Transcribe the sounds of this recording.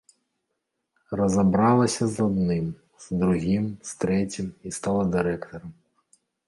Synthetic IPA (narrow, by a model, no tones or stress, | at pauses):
rɔzɐbɾɑlˠɐsʲɐzɔd̪nɪm | z̥d̪ɾʊɦʲimst̪ɾɛtʲimist̪ɑlˠɐd̪ɪɾɛkt̪ɔɾɐm